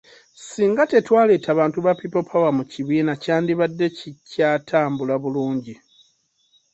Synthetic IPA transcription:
siːŋɡate̞twaːle̞ːtaβaːntuβapipo̞pʰawamuciβiːnacaːndiβadːe̞cicaːtʰaːmbulaβuluːɲɟi

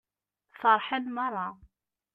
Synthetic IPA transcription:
θɑɾˤħanmɑɾˤɑ

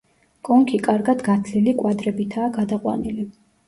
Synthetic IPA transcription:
kʼɔŋkʰikʼaɾɡad̪ɡat̪ʰlilikʼwad̪ɾɛbit̪ʰaːɡad̪aqʼwa̰nili

